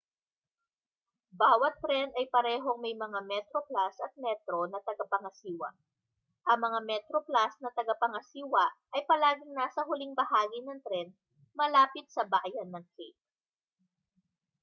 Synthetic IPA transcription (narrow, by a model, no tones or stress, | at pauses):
baːwɐt̪ːɾɛnɐjpɐɾɛːɦo̞ŋmɐjmɐŋamɛt̪ɾoplasɐt̪̚mɛt̪ɾonɐt̪ɐɡapɐŋɐsiːwɐ̰ | ʔɐŋmɐŋamɛt̪ɾoplasnɐt̪ɐɡɐpɐŋɐsiːwɐʔʔɐjpɐlaːɡɪŋnaːsɐɦʊliŋbɐhaːɡinɐŋt̪ɾɛn | mɐlaːpɪt̪̚sɐbaːʔjɐnːɐŋkek̚